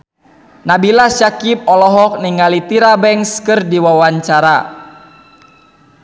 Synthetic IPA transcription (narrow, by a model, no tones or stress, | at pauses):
nabilaʃakip̚ɔlɔɦɔk̚niŋalit̪iɾabɛŋskɨrdiwawaɲt͡ʃaɾa